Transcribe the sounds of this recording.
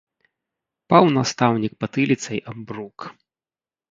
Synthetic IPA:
pawnast̪awnʲik̚pɐt̪ɨlʲit̪sɐjʔɐmbruk

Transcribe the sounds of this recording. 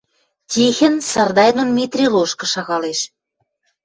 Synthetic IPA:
tʲixɘ̆nsɑrd̪ɑjnŏnmʲit̪rʲiloʃkɤ̆ʃɑɣɑleʃ

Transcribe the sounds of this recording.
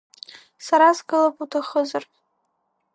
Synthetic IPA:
saɾazɡɨlapʼutʰaχəzar

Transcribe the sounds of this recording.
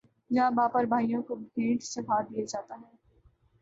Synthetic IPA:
jɐ̃baːpəɾbʱaːijõkobʱẽːʈsɐbʱaːɾd̪ijad͡ʒaːt̪aɦɛː

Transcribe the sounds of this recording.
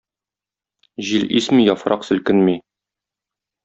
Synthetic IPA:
ʑilʔismijɒfɾʔɑqsɵ̆lkɘnmi

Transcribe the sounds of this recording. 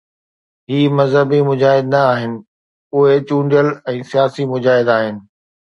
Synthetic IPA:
ɦiːmɐzɦəbimʊd͡ʑaːɦɪd̪nɐːɦɪnɪ̆ | ʊɦet͡ɕũːɳɖijəlɛ̃ːsijaːsimʊd͡ʑaːɦɪd̪aːɦɪnɪ̆

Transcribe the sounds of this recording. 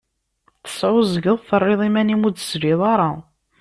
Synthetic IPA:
θə̥swəzəɡəðˤθərˤːeðˤimænimud̪ə̥zɾiðˤɑɾˤɑ

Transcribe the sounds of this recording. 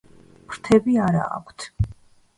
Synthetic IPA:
pʰɾ̥t̪ʰɛbiaɾa̰ːkʷʰt̪ʰ

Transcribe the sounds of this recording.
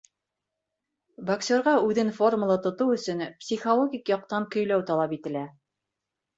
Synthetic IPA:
bɐksʲoɾʁɑʉðɘnfo̞rməlˠɑt̪ŏt̪ɤwɵ̆sɵnpsʲiχolˠoɡʲikjɑq̚t̪ɑŋkɵ̆jlæwt̪ɑlˠɑpit̪ɘ̆læ

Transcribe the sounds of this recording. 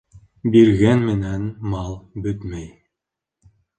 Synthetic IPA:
biɾɣænmɘ̆nænmɑlˠbɵt̪mæj

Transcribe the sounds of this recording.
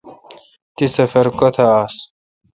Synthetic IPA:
t̪isɐfɐɾkot̪ʰɐaːs

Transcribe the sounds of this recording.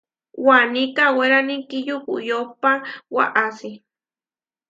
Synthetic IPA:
wanikaweɾanikijukujopawa̰ʔasi

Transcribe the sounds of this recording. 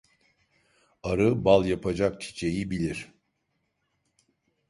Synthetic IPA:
aɾɯbalˠjapʰad͡ʒak̚t͡ʃʰi̥t͡ʃʰe̞jibilʲiɾ̥

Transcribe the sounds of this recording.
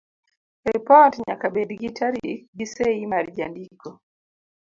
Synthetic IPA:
ɾɛpɔtɲakabɛdiɡitʰaɾiɡisɛimaɾid͡ʒandikɔ

